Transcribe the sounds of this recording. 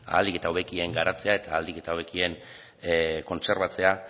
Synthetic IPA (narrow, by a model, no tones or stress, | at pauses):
a̰ːld̪ike̞t̪awβe̞kie̞ŋɡaɾat͡se̞ae̞t̪aːld̪ike̞t̪awβe̞kie̞n | ko̞nse̞ɾβat͡se̞a